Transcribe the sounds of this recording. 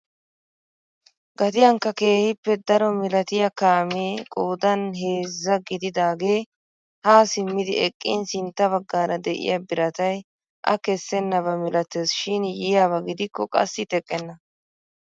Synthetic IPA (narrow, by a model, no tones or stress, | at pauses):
ɡɐt̪ɪjɐŋkːɐke̞ːhɪpːɛd̪ɐɾɔmɪlɐt̪ɪjɐkaːmeːkʼoːd̪ɐnɦe̞ːzːɐɡɪd̪ɪd̪aːɡe̞ː | haːsɪmːɪd̪ɪɛkʼːɪ̰nsɪnt̪ːɐβɐɡːaːɾɐd̪ɛʔɪ̰jabɪɾɐt̪ɐj | ʔɐ̰kɛsːɛnːɐβɐmɪlɐt̪eːsʃɪnjɪjaːβɐɡɪd̪ɪkːɔkʼɐ̰sːɪt̪ɛkʼːɛnːɐ